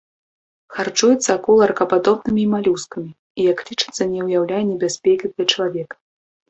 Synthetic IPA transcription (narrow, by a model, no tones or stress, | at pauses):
xart͡ʂujɛt̪sːɐːkulˠɐrkɐpad̪ɔbnɨmʲiːmalʲuskɐmʲi | ijɐklʲit͡ʂɨ̥t̪sːɐnʲɛwjawlʲajɛnʲɛbʲasʲpʲɛkʲit̪ɐjɐt͡ʂɐlˠavʲɛkɐ̥